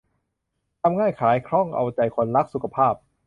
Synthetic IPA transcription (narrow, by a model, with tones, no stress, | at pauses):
t̪ʰa˧mŋaː˥˩jkʰaː˩˦jkʰɾɔ˥˩ŋʔa̰˧wt͡ɕa˧˩jkʰo˧˩nla˦˥k̚su˨˩kʰa˧pʰaː˥˩p̚